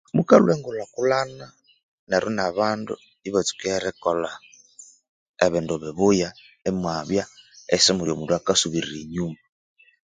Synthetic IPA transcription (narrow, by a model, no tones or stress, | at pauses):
muka̰luɛŋɡulakulana | nɛɾunaβandṵ | iβɔt͡su̥kɛɛɾɛkɔla | ɛβɪnduβɪβʊja | ɛmwaβjaɛsɪmuɾjomuduakasuβiɾiɾiɲuma